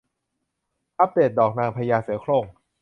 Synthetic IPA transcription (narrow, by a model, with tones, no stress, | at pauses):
ʔa˦˥p̚d̪eː˨˩t̪̚dɔː˨˩k̚naː˧ŋpʰːa˧jaː˧sɯ˩˦əkʰloː˧˩ŋ